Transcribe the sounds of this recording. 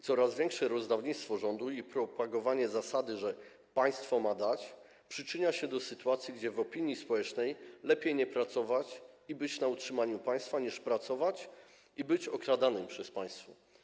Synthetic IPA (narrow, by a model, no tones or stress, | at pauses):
t̪sɔɾazvʲjɛŋkʂɛɾɔzd̪avɲit̪st̪fɔʐɔnd̪uipɾɔpaɡɔvaɲɛzasad̪ɘʐɛ | paj̃st̪fɔmad̪at͡ɕ | pʂɘt͡ʂɘɲaɕɛd̪ɔsɘt̪uat̪sʲjiɡd͡ʑɛvɔpʲiɲjispɔwɛt͡ʂnɛjlɛpʲjejɲɛpɾat̪sɔvat͡ɕibɘt͡ɕnautʂɘmaɲupaj̃st̪faɲiʂpɾat̪sɔvat͡ɕ | ibɘt͡ɕɔkɾad̪anɘmpʂɛspaj̃st̪fɔ